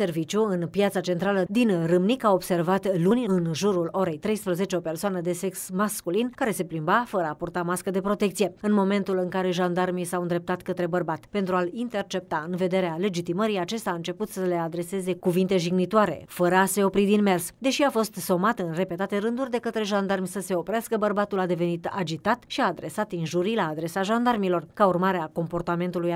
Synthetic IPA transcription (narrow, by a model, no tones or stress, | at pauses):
se̞rvit͡ʃjuɨnpijat̪sat͡ʃe̞nt̪ɾaləd̪inrɨmnikao̞bse̞rvat̪lunʲɨnʒuɾulo̞ɾe̞jt̪ɾe̞jspɾəze̞t͡ʃeo̞pe̞rsoanəd̪e̞se̞ksmaskulinkaɾe̞se̞plimbafəɾəapurt̪amaskəd̪e̞pɾo̞t̪e̞k̚t̪sije̞ɨnmo̞me̞nt̪ulɨŋkaɾe̞ʒand̪armisawɨnd̪ɾep̚t̪at̪kət̪ɾe̞bərbat̪pe̞nt̪ɾualint̪e̞rt͡ʃe̞p̚t̪aɨnve̞d̪e̞ɾeale̞d͡ʒit̪iməɾiat͡ʃe̞st̪aɨnt͡ʃe̞put̪səle̞ad̪ɾe̞se̞ze̞kuvint̪e̞ʒiɡnit̪oaɾe̞̰fəɾəase̞o̞pɾid̪inme̞rsd̪e̞ʃiafo̞st̪so̞mat̪ɨnre̞pe̞t̪at̪e̞ɾɨnd̪urʲd̪e̞kət̪ɾe̞ʒand̪armʲsəse̞o̞pɾeaskəbərbat̪ulad̪eve̞nit̪a̰d͡ʒit̪at̪ʃiaːd̪ɾe̞sat̪inʒuɾilaːd̪ɾe̞saʒand̪armilo̞rkaurmaɾeako̞mpo̞rt̪ame̞nt̪uluj